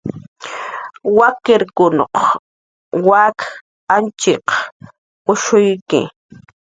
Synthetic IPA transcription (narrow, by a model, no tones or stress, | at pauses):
wakɪɾkʊno̰q | wak | ant͡ʃɪq | pʊʃʊjkɪ̰